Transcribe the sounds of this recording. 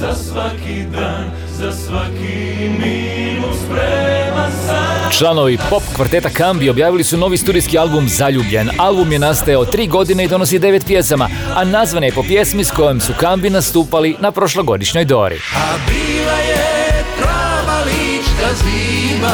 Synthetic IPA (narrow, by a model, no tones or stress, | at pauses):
zasʋakid̪aːn | zasʋaki | mi | nuspɾemasat͡ʃlˠano̞ʋipo̞pkʋaɾt̪e̞t̪akambio̞bjaːʋilisuno̞ʋist̪uːd̪ijskialˠbumzaʎuːbʎe̞nalˠbumje̞nast̪ajaot̪ːɾiːɡo̞d̪ineid̪o̞no̞sid̪e̞ʋe̞t̪pje̞sama | anazʋanjepo̞pje̞smisko̞jemsukambinast̪uːpalinapɾo̞ʃlˠoɡo̞d̪iʃɲo̞jd̪o̞̰ɾḭabilajepɾaʋalit͡ʃd̪azima